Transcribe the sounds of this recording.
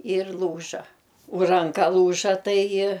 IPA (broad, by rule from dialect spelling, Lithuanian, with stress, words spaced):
ɪr ˈlˠuːʒɐ ʊ rɐŋˈkɐ ˈlˠuːʒɐ ˈtɐɪ